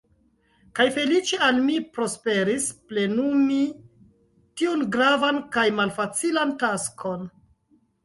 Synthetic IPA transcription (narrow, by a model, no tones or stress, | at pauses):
kajfe̞lit͡ʃealmipɾo̞spe̞ɾisple̞numi | tiunɡɾavankajmalfat͡silantaskʰo̞n